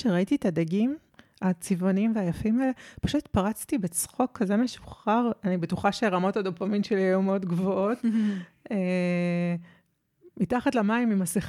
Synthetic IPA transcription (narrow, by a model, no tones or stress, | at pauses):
ʃeʁaititadaɡim | at͡sivonimveajafimaɛlepaʃut̪paʁat͡stibet͡sχo̞kːazemeʃu̥χaʁanibetuχaʃeʁamo̞tadopamimʃeliejumeodɡvoot | e | mitaχatlamaimimasiχ